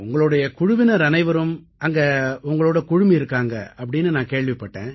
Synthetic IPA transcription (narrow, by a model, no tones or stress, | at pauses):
ʊŋɡɐɭɯɽɐjɐkʊɻʊʋɪnɐɾɐnɐɪʋɐɾɯm | ɐŋɡɐʊŋɡɐɭoːɽɐkʊɻʊmiɪɾɯkːaːŋɡɐɐpːɐɽɪnːɯnãːkeːɭʋɪpːɐʈːḛ̃ː